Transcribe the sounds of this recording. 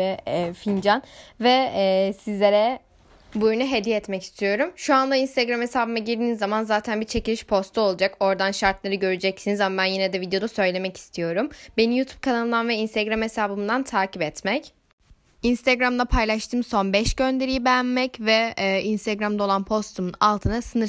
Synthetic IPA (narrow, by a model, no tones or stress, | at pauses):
ɛfind͡ʒanvɛːsizlʲe̞ɾɛ | bujnuɦe̞d̪ijɛːt̪mɛci̥st̪ʰijo̞ɾumʃuanlˠainst̪ʰɛɡɾamhesaːbɯmaɟiɾd̪iːnizːamanzaːt̪ʰænbit͡ʃʰe̞cilʲiʃpʰo̞st̪ʰuo̞lˠad͡ʒako̞ɾd̪anʃaɾt̪lˠaɾɯɟø̞ɾyd͡ʒɛcsinizamabænjinɛd̪ɛvid̪ejo̞d̪asø̞jlʲe̞mɛci̥st̪ʰijo̞ɾumbe̞nijuːt̪ʰu̥b̚kʰanalˠɯmd̪anvɛinst̪ʰɛɡɾamhesaːbɯmd̪ant̪ʰaːcipɛt̪mɛc | inst̪ʰaɡɾamd̪ˠapʰajlˠaʃt̪ʰɯːmso̞nbɛʃɟø̞nd̪e̞ɾijibɛjænmɛcvɛːinst̪ɛɡɾamd̪aolˠanpʰo̞st̪ʰumunalˠt̪ʰɯnasɯnɯɾ